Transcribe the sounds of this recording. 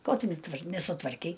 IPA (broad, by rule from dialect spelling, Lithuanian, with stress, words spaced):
ˈkoː ˈtʊ nʲɛˈtʋɐr nʲɛsʊtʋɐrʲˈkʲɛɪ